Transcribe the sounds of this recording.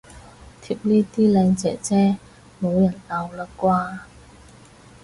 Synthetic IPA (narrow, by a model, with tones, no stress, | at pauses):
t̪ʰi˧p̚niː˥t̪iː˥lɛː˨˧ŋt͡sɛ̰ː˨˩t͡sɛː˥ | mo˨˧wjɐ˨˩nlɐ˨˧wla˨˧kwaː˥